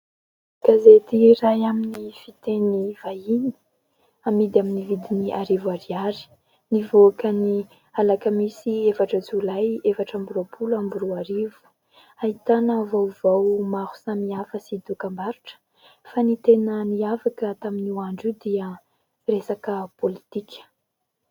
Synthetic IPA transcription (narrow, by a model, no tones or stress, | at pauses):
ɡ̥azet̪irajaminifit̪enivajini̥ | amid̪aminivid̪iniʔaɾivaɾiaɾi̥ | nivoakəni | alakəmisiefaʈ͡ʂəd͡zulajefaʈ͡ʂambuɾopʰulambuɾuaɾivu̥ | ait̪anəvawvawmahu̥samiafəsid̪ukambaɾuʈ͡ʂə̥ | fanit̪enəniafakət̪aminwaɳɖ͡ʐud̪iə | resakəpolit̪ikʲʰə̥